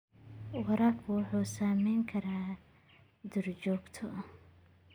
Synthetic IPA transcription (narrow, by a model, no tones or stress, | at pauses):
wɑɾaːkʰʊwʊħuːsaːmɛjŋkʰɐɾaː | d̪ʊrt͡ʃɔːɡt̪ʰɔ